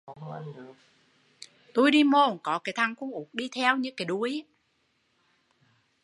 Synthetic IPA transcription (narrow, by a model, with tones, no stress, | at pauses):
t̪u˧jɗi˧mo˧˩nkɔ˨˦kaː˨˦jt̪ʰa˧˩ŋkʊ̰˧˥ŋ͡mʔu˨˦k̚ɗi˧t̪ʰɛ˧wɲɨ̰˧˥ŋkaː˨˦jɗu˧˩əj